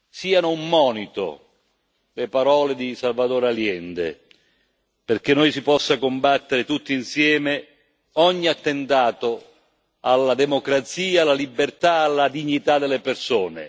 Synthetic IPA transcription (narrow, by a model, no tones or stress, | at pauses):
siːanʊumːɔːnit̪o̰ | lepaɾɔːled̪isalvad̪oːɾaljɛnd̪ḛ | perk̟enːojsipɔsːakombat̪ːeɾɪt̪ut̪ːiinsjɛːme | ɔɲːiat̪ːent̪aːt̪o | alːad̪ɛmokɾat̪siːaːlːalibert̪aːlːad̪iɲːit̪ad̪elːepersoːnḛ